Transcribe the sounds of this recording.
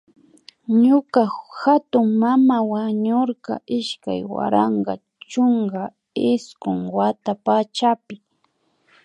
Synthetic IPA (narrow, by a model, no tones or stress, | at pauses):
ɲʊkahat̪ʊŋmamawaɲoɾkɑ̰ʔɪʃka̰jwa̰ɾɑɴɢɑ̰ | t͡ʃoŋɡa | ɪskʊŋwat̪apat͡ʃapɪ